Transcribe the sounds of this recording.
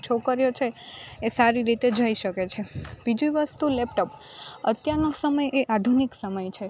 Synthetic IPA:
t͡ʃʰokəɾjot͡ʃʰeːsaɾiɾit̪ed͡ʒəjʃəket͡ʃʰeb̥id͡ʒuʋəst̪ulepʈəp | ət̪jaɾnosəməjeʔad̪ʱuniksəməjt͡ʃʰe

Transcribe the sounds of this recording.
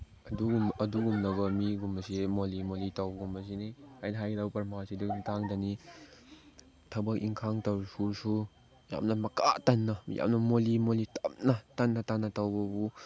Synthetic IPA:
ɐduɡumɐduɡumnɐɡɔmiɡumɐsemolimolitawbɡumɐs̬inihajnɦajɡdawpɐɾmasidukitaŋdani | tʰɐbɐkiŋkʰaŋtɐwsuɾsu | ja̰mnɐmɐkatɐnːɐjʔa̰mnɐmolimolitʰɐp̚natɐnːɐtanːɐtawbɔbu

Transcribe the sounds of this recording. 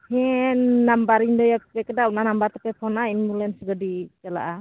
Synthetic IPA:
hɛnːambaɾiɲdɔjapɛkədaunanambaɾt̪apɛpʰɔnainmulɛnsəɡadit͡ʃala̰ʔa

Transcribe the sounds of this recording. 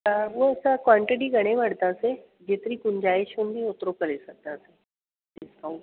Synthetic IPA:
saʋəəsakʋaɳʈiʈiːɡʱəɽ̃ẽʋaɽt̪aəse | d͡ʑet̪ɾiːkund͡ʑaeɕond̪ĩot̪ɾokəɾesək̚t̪aəse | ɖiskaũ

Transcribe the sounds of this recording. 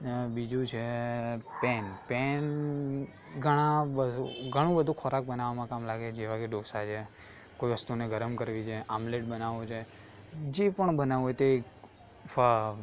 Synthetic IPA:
bid͡ʒũt͡ʃʰepɛnpen | ɡʱəɽ̃ãbəd̪ʱuɡʱəɽ̃ũbəd̪ʱũkʰɔɾak̚bənaʋamãkamlaɡed͡ʒeʋaɡeɖosat͡ʃʰe | koiʋəst̪uneɡʱəɾəmkəɾʋit͡ʃʰeʔamleʈ̚bənaʋot͡ʃʰe | d͡ʒepəɳbənaʋojt̪ek | fə

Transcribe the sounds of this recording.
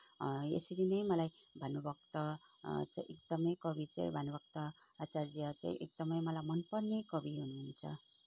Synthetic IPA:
ḛsʌɾinʌjmʌlaj | bʱʌnubʌkt̪ʌ | t͡saĩʔek̚d̪̥ʌmʌjkʌbit͡sa̰j̰̃bʱʌnubʌk̚t̪ʌ | at͡sard͡zijʌt͡sa̰ḭ̃ʔek̚d̪ʌmʌjmʌlajmʌnpʌrnekʌbiɦunuɦunt͡sʰʌ̰

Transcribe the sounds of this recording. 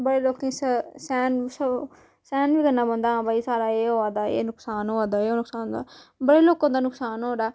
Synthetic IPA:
bəɽeːloːkẽssɛːns | sɛːnbiːkənːaːbənd̪aːãːbaːiːsaːɾaːeːɦoːaːd̪aːḛːnʊksaːnɦoːãːd̪aːeːoːnʊksaːnd̪aːbəɽeːloːkãːd̪aːnʊksaːnɦoːdaː

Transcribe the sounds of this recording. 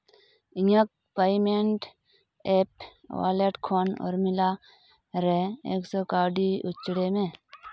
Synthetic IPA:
iɲək̚ | paimeɳʈ | eːp | wa̰ːleʈkʰoːnɔ̰ːɾmɪla | ɾeeːksoːkaːɖiʊt͡ʃɽemẽ

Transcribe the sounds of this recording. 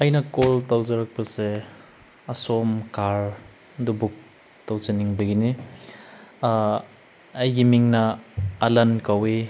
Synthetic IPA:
ɐjnɐkoltawzɐɾɐk̚pɐse | ɐsomkaɾ | dubuk̚ | tawzeniŋbɐɡini | ɐjɡimiŋnɐːlɐnkawi

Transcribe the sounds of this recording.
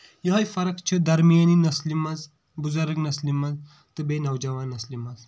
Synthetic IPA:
jɐɦɐjfɐɾɐkt͡ʃʰid̪ɐɾmijɐninɐslimɐz | buzɐɾəknɐslimɐz | t̪ɨbenɐwd͡ʒɐʋaːnːɐslimɐz

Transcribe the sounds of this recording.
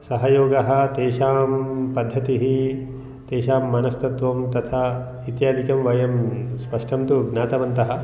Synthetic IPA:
sɐɦɐjoːɡɐɦɐ̆t̪eːʃaːmpɐd̪ʱːɐt̪iɦi | t̪eːʃaːmːɐnɐst̪ɐt̪ʋɐmt̪ɐt̪ʰa | it̪jaːd̪ʱikɐmʋɐjɐmspɐʂʈɐmt̪uɡnaːt̪ɐʋɐnt̪ɐɦɐ̆

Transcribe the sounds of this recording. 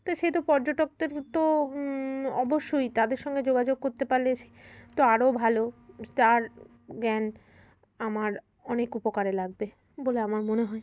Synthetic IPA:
t̪oʃet̪opɔɾd͡ʑoʈok̚d̪eɾt̪o | ɔboʃːojt̪ad̪eɾʃɔŋɡed͡ʑoɡad͡ʑoɡ̚koɾt̪epaɾlet͡ɕʰi̥t̪oaɾobʱalot̪aɾ | ɡɛn | amaɾ | ɔnekupokaɾelaɡ̚be | boleamaɾmoneɦɔe

